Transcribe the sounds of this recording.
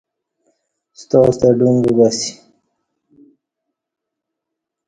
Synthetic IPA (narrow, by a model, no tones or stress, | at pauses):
st̪ɔst̪aɖuŋɡubasi̥